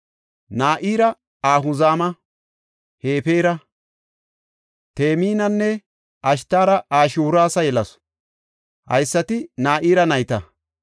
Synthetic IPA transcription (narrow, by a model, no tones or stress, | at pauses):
naːʔiːɾɐ | aːɦʊzaːmɐ | heːpeːɾɐ | t̪e̞ːmiːnɐnːɛ | ʔɐʃ̬t̪ːaːɾɐʔaːʃuːɾaːsɐjɛlɐs | hɐ̰jsːɐt̪ɪnaːʔiːɾɐnɐjt̪ɐ